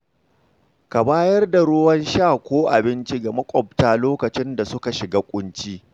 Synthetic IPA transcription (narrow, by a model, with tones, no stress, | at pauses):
ka˨baː˦jɐ˦rda˨ɽoː˦wɐ˦nʃaː˦˨kʷoː˦ʔa˨bɪ˦nt͡ʃi˦ɡa˨mɐ˦kʷʼɔ˨b̚taː˦loː˦kɐ˨t͡ʃɪ˦nda˨sʊ˦ka˨ʃɪ˨ɡaː˦kʷʼʊ˦nt͡ʃiː˦